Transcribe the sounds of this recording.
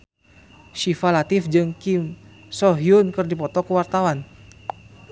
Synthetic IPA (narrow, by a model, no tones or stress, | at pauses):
ʃifalat̪ɪfd͡ʒɨŋkim | sɔɦiunkɨrdipɔt̪ɔkəwart̪awan